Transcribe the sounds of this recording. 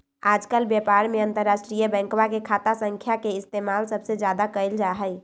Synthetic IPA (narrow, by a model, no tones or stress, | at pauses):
ad͡ʒkəlbjɛpaɾmeənt̪əɾːasʈɾijəbɛ̃ŋkwakekʰat̪asəŋkʰjakeɪst̪emalsəbsed͡ʒjad̪akəld͡ʒaɦəj